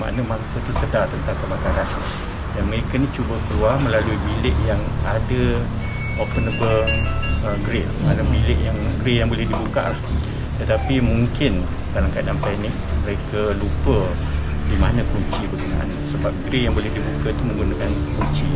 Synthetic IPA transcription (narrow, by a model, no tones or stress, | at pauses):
ma̰ʔnamaŋsət̪əsədat̪ənt̪aŋkəmakalan | danməɾekanĩt͡ʃubəkəluaməlaluibilɪʔjaŋadə | opənəbələɡɾe | malambilɪʔjaŋɡɾejaŋbolɛhdibuka̰ʔlah | t̪ət̪apimuŋkɪn | dalamkadanpɛnɪk̚məɾekəlupə | dimanakuɲt͡ʃibərɡəna̰ʔa̰nsəbap̚ɡɾejaŋbolɛhdibukat̪umə̃ŋɡunakan | kuɲt͡ʃi